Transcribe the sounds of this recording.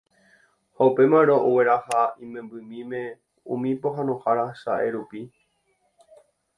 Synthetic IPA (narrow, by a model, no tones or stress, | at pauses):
haupe̞mãɾ̃oʔowe̞ɾahaĩmẽmbɨmĩmẽ̞ | ũmĩpo̞ɦãnõhaɾaʃaʔe̞ɾupi